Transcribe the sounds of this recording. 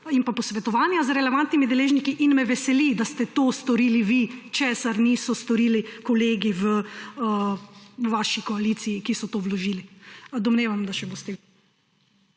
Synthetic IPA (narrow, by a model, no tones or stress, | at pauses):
inpapɔsʋɛt̪ɔʋaːnjazɾɛlɛʋant̪nimid̪ɛleːʒnikiʔinmɛʋɛsɛlid̪ast̪ɛt̪oːst̪ɔɾiːliʋit͡ʃeːsaɾniːsɔst̪ɔɾiːlikɔleːɡiʋə | ʋaːʃikɔalit̪sijːkisɔt̪oːʋlɔʒiːlid̪ɔmneːʋamd̪aʃɛboːst̪ɛ